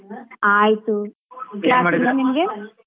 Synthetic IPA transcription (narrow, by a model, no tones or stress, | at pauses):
aːjt̪u | kjaːnanimɐɡe